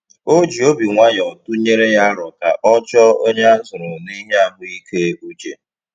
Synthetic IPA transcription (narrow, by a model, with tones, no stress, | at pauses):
o˦d͡ʒi˨o˦bi˨ŋʷa˦ɲ˨ɔ˨tʊ˦ɲe˦ɾe˦ja˦ɾɔ˨ka̰˨ʔɔ˦t͡ʃɔ˦o˦ɲa˦n̩˦zʊ˨ɾʊ˨ni˦ɦi˦a˨ɡ͡bʊ˦i˦ke˦u˦t͡ʃe˨